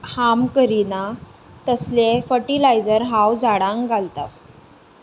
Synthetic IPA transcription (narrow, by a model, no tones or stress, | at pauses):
hamkəɾina | t̪əslefəɾʈilajd͡zəɾɦawd͡zaɽãŋɡʱalt̪a